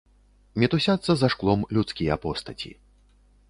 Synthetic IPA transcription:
mʲɛt̪usʲat̪sːɐzaʂklˠɔmlʲut̪skʲijɐpɔst̪ɐt͡sʲḭ

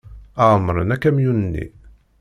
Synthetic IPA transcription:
æʁəmːɾənækːæmjunənːḭ

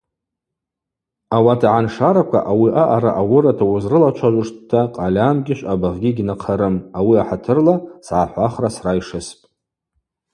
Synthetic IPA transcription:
awatʰaʕanʂaɾakʷa̰ʔawiʔaʔaɾaʔawʊɾatʰawʊzrɨlat͡ʃʷʰaʒʷʊʂttʰːaqʼalʲamɡʲɪʃʷʼabaʁɡʲiɡʲnaqʰaɾɨmawiaħatʰɨrlasʕaħʷaχrasraiʂɨspʼ

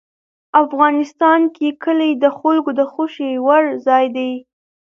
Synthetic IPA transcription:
afɣɑnɪst̪ɑnkekəlejd̪əxʊlɡod̪əxoʃewaɽzɑjd̪aj

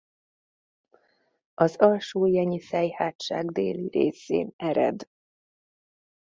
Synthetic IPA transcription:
ɒzɒlʃoːjɛɲisɛjhaːtʃa̰ːɡd̪ḛːliɾḛːsḛːnɛɾɛ̰d̪

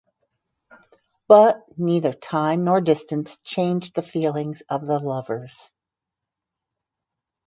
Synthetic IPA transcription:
b̥ʌtniðə˞tʰãɪ̃mnɔɹdɪstɨ̃nst͡ʃʰẽɪ̃nd͡ʒðɨfilˠɪ̃ŋz̥ʌvðəlʌvə˞z̥

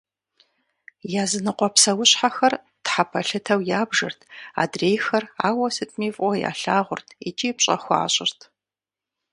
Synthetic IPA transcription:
jaːzɨnɨqʷɔpsɐwʊɕħaxɐr | tħapʰɐɬɨtʰɐwjaːbʒɐ̰rtʰa̰ːdreːjxɐra̰ːwɐsɨtʰmiːvʔʷʼɔja̰ːɬaːʁʷʊrtʰit͡ʃʼiːpɕʼɐxʷa̰ːɕʼɪrtʰ

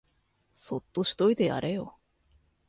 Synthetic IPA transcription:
so̞t̪ːo̞ɕi̥t̪o̞id̪e̞ja̰ɾe̞jo̞̰

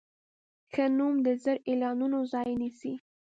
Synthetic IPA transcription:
xənumd̪əzəɾelɑnunozɑjnisi

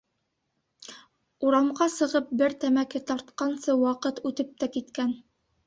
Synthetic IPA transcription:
uɾɑmʁɑsɤ̆ʁɤp̚bɘɾt̪æmækɘt̪ɑɾt̪̚qɑnsɤwɑqɤt̪ʉt̪ɘp̚t̪ækit̪kæn

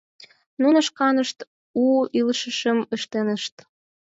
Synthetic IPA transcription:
nunəʃkɑnəʃt̪ | uiləʃəʃəməʃt̪enəʃt̪

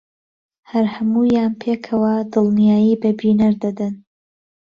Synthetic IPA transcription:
hɐɾhɐmuːjaːnpʰeːkʰɐwɐd̪ɨlˠnijaːjiːbɐbinɐɾd̪ɐd̪ɨn

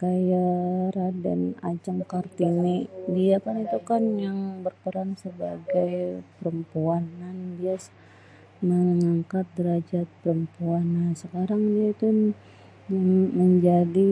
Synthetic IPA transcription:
kajaɾada̰na̰d͡ʒaŋkart̪inidiakanit̪ukanjaŋbərpəɾaŋsəba̰ɡajpəɾəmpuanːanbias | məŋaŋkat̪̚dəɾad͡ʒat̪̚pəɾəmpuanːasəkaɾaŋdiait̪u | ŋməɲd͡ʒadi

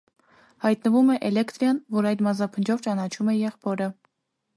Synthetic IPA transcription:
hɑjt̪nəvumɛʔɛlɛkt̪ɾjɑnvɔɾɑjd̪mɑzɑpʰənd͡ʒɔvt͡ʃɑnɑt͡ʃʰumɛjɛχpʰɔɾə

